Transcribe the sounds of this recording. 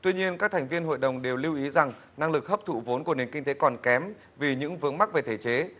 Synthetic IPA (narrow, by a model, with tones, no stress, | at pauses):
t̪wi˧ɲi˧ənkaː˦˥k̚t̪ʰa˨˩ŋ̟vi˧ənɦo̰˧˨jɗə˨˩wŋ͡mɗe˨˩wli˧wʔi˨˦za˨˩ŋ | na˧ŋlɨ˨˩k̚həː˦˥p̚t̪ʰṵ˧˩vo˨˦nku˧˩əne˨˩nkï˧ŋ̟t̪e˨˦kɔ˨˩nkɛ˨˦m | vi˨˩ɲɨ̰˧˥ŋvɨ˨˧˥əŋma˦˥k̚ve˨˩t̪ʰe˧˩t͡ɕe˨˦